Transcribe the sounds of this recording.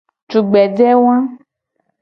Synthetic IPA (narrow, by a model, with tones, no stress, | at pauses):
t͡ʃu˨ɡ͡bɛ˨ɖɛ˦wã˦